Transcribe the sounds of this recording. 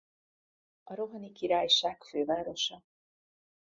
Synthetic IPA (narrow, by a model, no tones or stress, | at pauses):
ɒɾoɦɒnikiɾaːjʃaːkføːvaːɾo̞ʃɒ